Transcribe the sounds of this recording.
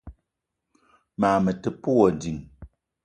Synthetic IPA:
maː˨mə˨tə˨pu˦wɔ˨di˨ŋ

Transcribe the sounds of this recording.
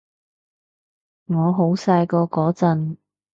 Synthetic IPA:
ŋɔː˨˧ɦo˨˥wsaː˧jkɔː˧kɔː˨˥t͡sɐ˧n

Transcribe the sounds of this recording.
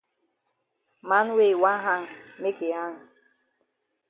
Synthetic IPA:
ma˨˦n̩˦we˦˨wa˦ɦa˦ŋ̩˨me˦ke˨a˦ŋ̩˨

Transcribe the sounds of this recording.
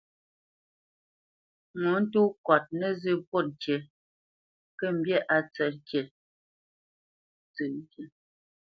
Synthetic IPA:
ŋu˨˦n̩˦tu˦kwa˨t̚nə˦˨zɨ˦˨po˦˨t̚ke˨ | kə˦˨m̩˦˨bjɛ˦˨ʔa˨t͡sɛ˨kje˨ | t͡sɨ˨˦ke˨

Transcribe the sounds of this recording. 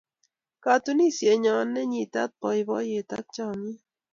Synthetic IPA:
ka˨t̪u˦ni˦sje˨ɲɔ˨nːɛ˦ɲi˨t̪a˦t̪̚pɔ˨jbɔ˦je˨t̪a̰˦k̚t͡ʃa˦mi˦

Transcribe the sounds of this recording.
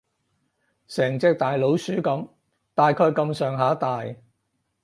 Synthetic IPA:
sɛː˨˩ŋt͡sɪ˧k̚t̪aː˨jlo˨˥wsyː˨˥kɐ˨˥m | t̪aː˨jkʰœː˧ɥkɐ˧msœː˨ŋɦaː˨˥t̪aː˨j

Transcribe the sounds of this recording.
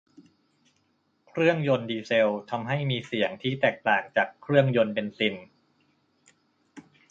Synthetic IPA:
kʰɾɯ˥˩əŋjo˧ndiː˧se˧wt̪ʰa˧mɦa˥˩jmiː˧si˨˩˦əŋt̪ʰiː˥˩t̪ɛː˨˩k̚t̪aː˨˩ŋt͡ɕaː˨˩kʰːɾɯ˥˩əŋjo˧npe˧nsi˧n

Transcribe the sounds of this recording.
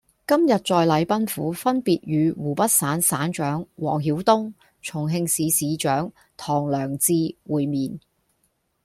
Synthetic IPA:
kɐ˥mjɐ˨t̚t͡sɔː˨˧jlɐ˨˧jpɐ˥nfuː˨˥fɐ˥npiː˨t̚ɥyː˨˧wuː˨˩pɐ˥t̚saː˨˥nsaː˨˥nt͡ʃœː˨˥ŋwɔː˨˩ŋɦiː˨˥wt̪ʊ˥ŋ | t͡sʰʊ˨˩ŋɦɪ˧ŋsiː˨˧siː˨˧t͡ʃœː˨˥ŋ | t̪ʰɔː˨˩ŋlœː˨˩ŋt͡siː˧wuː˨jmiː˨n

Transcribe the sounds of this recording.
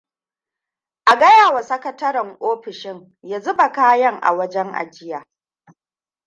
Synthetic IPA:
ʔa˨ɡɐ˦jaː˨wa˨sɐ˦kɐ˦tɐ˦ɾɐ˨ŋʔoː˦ɸɪ˨ʃɪ˦ŋ | ja˦zʊ˦ba˨kaː˦jɐ˦ŋʔa̰˨wɐ˦d͡ʒɛ˦ŋʔa̰˨d͡ʒɪ˦jaː˨

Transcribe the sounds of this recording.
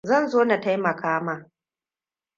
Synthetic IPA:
zɐ˦˨nzoː˦na˨ta˦jmɐ˨kʰaː˦maː˨

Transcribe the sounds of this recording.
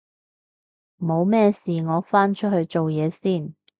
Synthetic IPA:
mo˨˧wmɛː˥˧siː˨ŋɔː˨˧˥faː˥nt͡ʃʰɵ˥t̚hɵ˧ɥt͡ʃo˨wjɛː˨˧siː˥˩n

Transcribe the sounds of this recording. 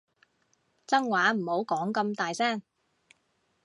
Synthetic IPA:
t͡sɐ˥ŋwaː˨˥m̩˨˩ho˨˥wkɔː˨˥ŋkɐ˧mt̪aː˨jsɛː˥˩ŋ

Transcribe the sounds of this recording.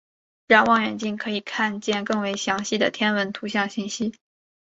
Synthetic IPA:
ɻɑ˥˧ŋwɑ˥˩ŋɥɛ̰˨˩nt͡ɕi˥˩nkʰɤ˧˥i˨˩kʰa˥˧nt͡ɕjɛ˥˧nkɤ˥˩ŋwe˧˥ɪɕjɑ˧˥ŋɕi˥˩d̪ə̰˩t̪ʰjɛ˥nwə˧˥nt̪ʰu˧˥ɕ̬jɑ˥˧ŋɕi˥˩nɕi˥

